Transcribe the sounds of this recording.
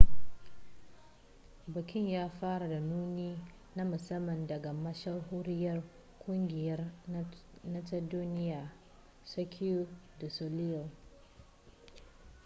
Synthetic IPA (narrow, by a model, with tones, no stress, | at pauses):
bɐ˨kʲɪ˦ɲjaː˦ɸaː˦ɽa˨da˨nuː˦niː˦ | na˦mʊ˨sɐ˦mːɐ˨ndɐ˨ɡa˨mɐ˦ʃɐ˦rɦoː˦ɾɪ˦jɐ˦r | kʷʊ˦ŋɡʲɪ˨jɐ˦r | nɐ˦tɐ˦duː˦nɪ˦jaː˨ | sɐ˦kʰʲi˦u˦da˨so˨lɪ˦jɐ˨l